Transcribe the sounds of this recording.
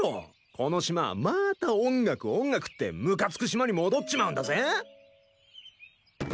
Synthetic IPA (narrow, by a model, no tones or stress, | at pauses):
o̰ | kʰo̞no̞ɕima̰mat̪aõ̞ŋɡakɯ̟õ̞ŋɡakɯ̟̥t̪ːe̞̰mɯ̟kat͡sɨ̥kɯ̟ɕ̬imaɲ̟imo̞d̪otːɕimaɯ̟̃nd̪azẽ